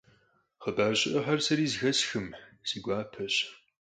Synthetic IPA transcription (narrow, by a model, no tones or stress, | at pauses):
χəbaːrɕʼɪʔɐħɐrsɐɾiːzɣɐsxɨmsiɡʷaːpʰɐɕ